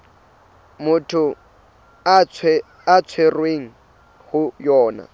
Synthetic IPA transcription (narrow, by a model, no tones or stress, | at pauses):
mʊtʰʊ | at͡sʰ | at͡sʰwerweŋ̩ | hʊjɔːna̰